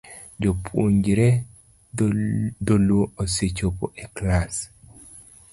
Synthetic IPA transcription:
d͡ʒopʰwoɲd͡ʒɾɛ | d̪olwooset͡ʃopo̰ʔɛklas

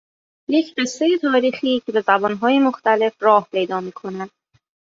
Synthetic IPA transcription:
jecʰɢe̞sːe̞je̞t̪ʰɒːɾiːxiːcʰe̞be̞zæbɒːnɦɒːje̞moxt̪æle̞fɾɒːhpʰe̞jd̪ɒːmiːkʰo̞næd̪̥

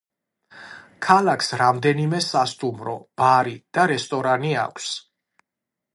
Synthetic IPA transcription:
kʰalakʰsɾamd̪ɛnimɛsast̪ʼumɾɔb̥aɾid̪̥aɾɛst̪ʼɔɾania̰kʷʰs

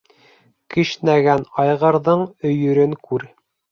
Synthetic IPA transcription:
kɘʃnæɡænɑjʁɤ̆ɾðɤɴɵ̆jɵ̆ɾɘŋkʉɾ

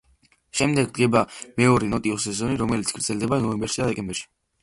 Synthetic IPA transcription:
ʃɛmd̪ɛɡ̚d̪ɡɛbamɛɔɾɛnɔt̪ʼiɔs̬ɛzɔniɾɔmɛlit̪sɡ̥ɾd̪zɛlˠd̪ɛbanɔɛmbɛɾʃid̪ad̪ɛkʼɛmbɛɾʃi̥

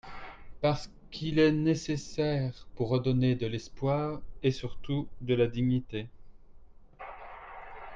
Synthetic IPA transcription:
paʁsə | kʰilɛnesesɛʁpuʁːəd̪ɔned̪əlɛspwaːʁesyʁt̪ud̪əlad̪iɲit̪e

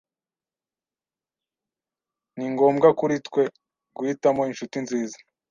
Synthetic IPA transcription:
niŋɡo̞ːmɡakuɾitkwe̞ | ɡwitamo̞inʃutinziːza

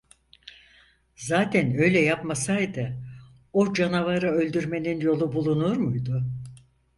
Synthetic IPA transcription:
zaːt̪ʰænø̞jlʲɛjapmasajd̪ɯ | od͡ʒanavaɾaø̞lʲd̪yɾme̞ninjo̞lˠubulˠunuɾmujd̪ʊ

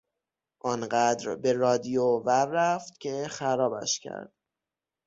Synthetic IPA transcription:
ʔɒnɢæd̪ɾbe̞ɾɒːd̪ijovæɾːæft̪cʰe̞xæɾɒːbæ̰ʃcʰæ̰ɾd̪̥

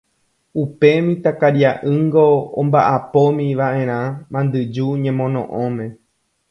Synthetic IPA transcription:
upe̞mĩt̪akaɾjaʔɨŋɡoõmbaʔapomĩʋaʔẽ̞ɾ̃ãmãnd̪ɨd͡ʒuɲẽ̞mõ̞nõʔõmẽ̞

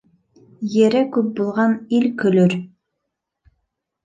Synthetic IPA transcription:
jɘ̆ɾɘkʉp̚bulˠʁɑnilkɵ̆lɵɾ

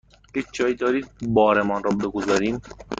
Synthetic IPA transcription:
hed͡ʒɒːjid̪ɒːɾiːd̪̚bɒːɾemɒːnɾɔːbeɡozɒːɾiːm

